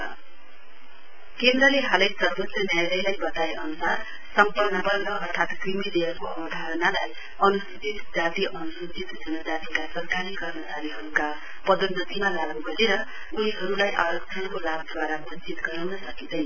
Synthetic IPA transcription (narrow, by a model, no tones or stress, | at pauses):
kemraleɦalʌsʌrbot͡srʌnjajɾʌjlajbʌt̪aeʔʌnusar | sʌmpʌnːʌbʌrrʌːrt̪ʰat̪krimileʌrkoʌbʌd̪ʱaɾʌnalaj | ʌnusit͡sit̪d͡zat̪iʔʌnusut͡sit̪d͡zʰʱʌnʌd͡zat̪ikasʌrkaɾikʌrmʌt͡saɾiɦʌɾuka | pʌd̪udʌt̪imalaɡnuɡʌɾeɾʌ | uniɦʌɾulajʔaɾʌkt͡sʰʌnkolab̚d̪waɾabʱont͡sit̪ɡʌɾʌwnʌsʌkid̪ʌj